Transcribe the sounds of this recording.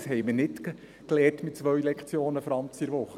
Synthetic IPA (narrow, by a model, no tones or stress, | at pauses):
shɛjmənɪt | klɛːtmɪt̚t͡sʋœɥlɛkχt͡sjoːnəfɾɑnt͡siɾʋʊχə